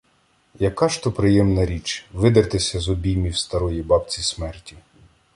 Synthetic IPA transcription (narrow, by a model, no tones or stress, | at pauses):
jɐkɑʃt̪ɔpɾɪjɛmnɐɾʲit͡ʃʋɪd̪ɐrt̪ɪsʲɐzɔbʲijmʲiwst̪ɐɾɔjibɑpt͡sʲismɛrtʲi